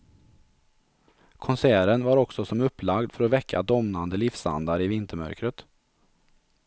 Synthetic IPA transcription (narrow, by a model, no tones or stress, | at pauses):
kʰɔnsæːɾənvaɾɔksɔsɔmɵpːlaɡd̪fœɾɔvɛkʰːa̰d̪ɔmnand̪əlɪfsa̰nd̪aɾɪvɪnt̪ʰəmœ̰ɾkɾət̪